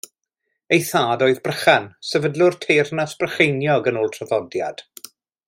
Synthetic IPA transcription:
ejθaːdɔːɨðbrəχansɛvədlˠʊrtʰejrnasb̥rəχejnjɔɡənʊːlˠtʰrɔðɔdja̰d̥

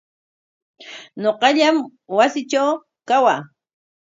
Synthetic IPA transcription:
ɲoqɑʎamwasɪt͡ʃaw | kawaː

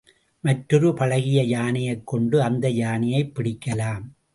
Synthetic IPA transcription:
mɐʈɾɯɾɯpɐɻɐɣɪjɐjaːnɪjɐɪkːɔɳɖɯɐnd̪ɐjaːnɪjɐɪpːɪɽɪkːɐlaːm

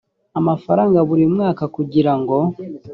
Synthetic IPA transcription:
amafaɾaːŋɡaβuɾimŋaːkakuɟiɾaŋɡo̞

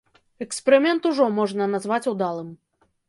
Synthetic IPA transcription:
ɛkspʲɛɾɨmʲɛnt̪uʐɔmɔʐnɐnazvat͡sʲud̪alˠɨm

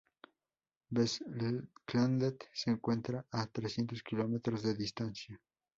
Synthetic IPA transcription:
beskland̪et̪seːŋkwe̞nt̪ɾaʔat̪ɾesjent̪o̞skilo̞met̪ɾozðeðist̪ansja

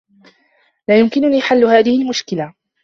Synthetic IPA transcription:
laːjʊmkɪnʊniːħalːʊhaːðɪhɪlmʊʃkɪla

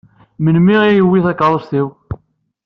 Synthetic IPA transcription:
mənmiijəwːiθækːaðˤəsθiw

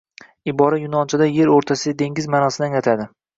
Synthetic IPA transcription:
ɪbɒɾajʊnɒnt͡ʃʰad̪aje̞ɾoɾt̪ʰasɪɡ̪ʲad̪e̞ŋʲɪzmanɒsɪd̪anat̪ʰad̪ɪ

